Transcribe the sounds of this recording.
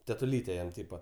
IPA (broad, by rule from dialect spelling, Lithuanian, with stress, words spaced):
tʲɛtʊˈlʲiːtʲeː ˈjɛm ˈtʲiːpɐ